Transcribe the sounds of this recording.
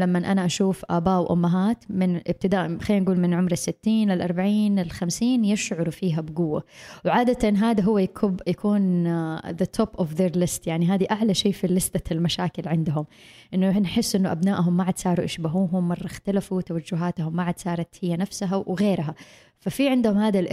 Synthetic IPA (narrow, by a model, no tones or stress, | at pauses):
lamːanʔanaʔaʃuːfʔaːbaːʔwʔʊ̰mːaɦaːt̪mɪnʔɪb̚t̪ɪd̪aːʔxajːnɡuːlmɪnʕʊmɾɪsːɪt̪ːiːnlɪlʔɑɾˤbaʕiːnlɪlxamsiːnjɪʃʕʊɾufiːɦabɪɡʊwːawʕaːd̪at̪anɦaːd̪aɦʊwːajkjakuːnðət̪ʰoːpʔɔfðeːɾlɪst̪jaʕniɦaːd̪iʔaʕlaʃeːfilɪsd̪almaʃaːkɪlʕɪnd̪ʊɦʊmʔɪnːʊnħɪsːʔɪnːʊʔabnaːʔɦʊmːaʕad̪sɑːɾˤuʔaʃbaɦuːɦʊmːɑrˤːɑxt̪alafut̪awad͡ʒːʊɦaːt̪hʊmːaʕad̪sɑːɾˤɑt̪hɪjːanafsaɦawɣeːɾɦa | fafiʕɪnd̪ʊhʊmhaːd̪alʔ